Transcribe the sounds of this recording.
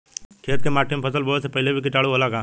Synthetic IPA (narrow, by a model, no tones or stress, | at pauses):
kʰeːt̪̚kemaːʈʰːempʰəsəlboːsepɐɦɪlebʱikɪʈaːɽuɦoːlaːɡaː